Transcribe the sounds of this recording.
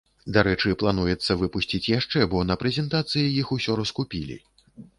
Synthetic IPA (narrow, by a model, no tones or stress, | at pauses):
d̪aɾɛt͡ʂɨplˠanujɛt̪sːɐvɨpusʲt͡sʲit͡sʲjaʂt͡ʂɛbɔnɐpɾɛzʲɛnt̪at̪sɨjɐjixusʲɔɾɐskupʲilʲḭ